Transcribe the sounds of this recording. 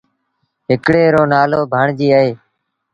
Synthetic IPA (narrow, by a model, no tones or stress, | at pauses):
ɦɪkɽeːɾoːnaːloːbʱaːɳd͡ʒiːəːɦeː